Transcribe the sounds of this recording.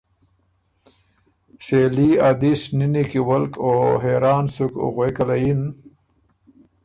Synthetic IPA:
seːliad̪isninikiwɐlkoɦeːɾaːnsukʊ̰ɣwekalajin

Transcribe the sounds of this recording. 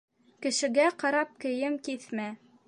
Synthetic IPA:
kɘ̆ʃɘ̆ɡæqɑɾɑp̚kɘ̆jɘmkiθmæ

